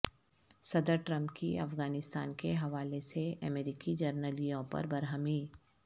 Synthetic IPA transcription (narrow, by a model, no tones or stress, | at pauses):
sɐd̪əɾʈɾɐ̃mpkiɐ̰fɣaːnɪst̪a̰ːnkeɦɐʋaːleseʔɐmeːɾiːkid͡ʒɐɾnəlijõpɐ̰ɾbɐɾɦəmiː